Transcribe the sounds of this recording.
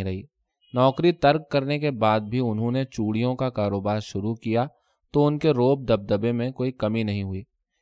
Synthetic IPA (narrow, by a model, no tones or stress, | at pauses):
ɾɐɦiː | nɔːkɾit̪ɐɾkkɐɾnekebaːd̪̚bʱiʊnɦõnet͡ʃuːɽijõkakaːɾoːbaːɾʃʊɾukija | t̪oʊnkeɾoːb̚d̪ɐb̚d̪ɐbemẽkoːikɐminɐɦĩɦʊiː